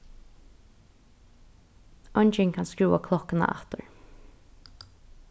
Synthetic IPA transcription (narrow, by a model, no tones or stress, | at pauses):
ɔɲt͡ʃɪŋkʰanskɹuːakʰlɔhkɪna̰ʔa̰ht̪əɹ